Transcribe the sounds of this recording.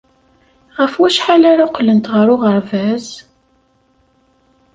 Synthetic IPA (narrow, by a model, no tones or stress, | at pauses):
ʁəfwæʃħalaɾaqːlənt̪ʁəɾʊʁəɾvæz